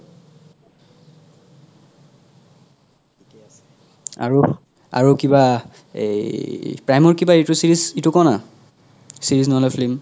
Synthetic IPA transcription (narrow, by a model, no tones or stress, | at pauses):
a̰ɹu | a̰ɹukiba̰ | pɹajmɔɹkibaetusiɹizitukɔna | siɹiznoɦolɛpʰlim